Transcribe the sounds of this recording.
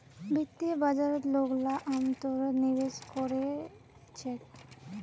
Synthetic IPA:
bit̪ːibad͡ʑaɾet̪loklaʔamt̪oɾenibeʃkoɾe | t͡ɕʰe

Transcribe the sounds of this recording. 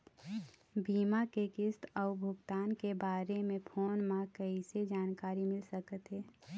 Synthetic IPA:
biːmakekɪst̪ɔʊbʱʊɡt̪aːnkebaːɾemẽpʰoːnmãkəised͡ʒaːnkaːɾimɪlsəkət̪ɦɛː

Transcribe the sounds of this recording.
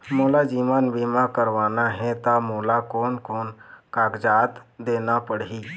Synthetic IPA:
moːlad͡ʒiːmaːnbimakəɾʋaːnaɦɛ̃t̪amoːlakoːnkoːnkaːɡd͡ʒaːt̪d̪eːnapəɽɦiː

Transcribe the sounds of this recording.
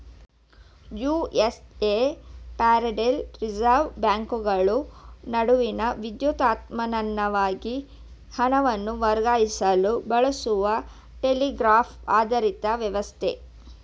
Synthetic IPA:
juːesepaːɾɐɖelɾid͡ʒɐɾʋbjaːŋkuɡɐɭunɐɽuʋinɐʋid̪juːt̪aːt̪mɐnɐnːɐʋaːɡi | hɐnɐʋɐnːuʋɐɾɡaːjisɐlubɐɭɐsuʋɐ | ʈeliɡɾaːpʰaːd̪ɐɾit̪ɐʋjɐʋɐst̪ʰḛ

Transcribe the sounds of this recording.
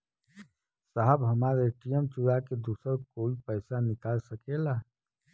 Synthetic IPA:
saɦəbɦəmaːɾeʈijəmt͡ʃuɾaked̪usəɾkoːipəɪsanɪkaːlsəkela

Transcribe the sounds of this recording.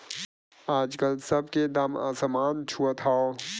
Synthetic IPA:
aːd͡ʒkəlsɐb̚ked̪aːma̰səmaːnt͡ʃʰuot̪ʰao

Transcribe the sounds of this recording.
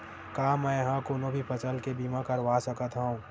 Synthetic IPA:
kaːmɛ̃jɦãkonõbʱipʰət͡ʃəlkebiːmãkəɾʋasəkət̪ɦoũː

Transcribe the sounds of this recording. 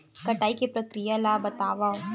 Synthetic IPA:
kɐʈaːikepɾɐkɾijalaːbɐt̪aːʋao

